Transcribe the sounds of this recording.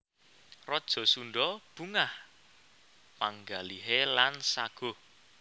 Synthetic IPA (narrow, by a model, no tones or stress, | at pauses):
rɔd̥ʒ̥ɔ̤sunɖɔb̥uŋah | paŋɡaliɦelansaɡ̥o̤